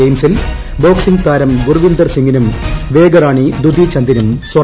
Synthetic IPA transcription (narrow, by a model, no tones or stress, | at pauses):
ejmsil | bo̞ːksiŋɡt̪aːɾɐmɡurʋind̪ɐrsiŋɡinumʋe̞ːɡɐɾaːɳid̪ud̪ʱit͡ɕɐnd̪inumswɐ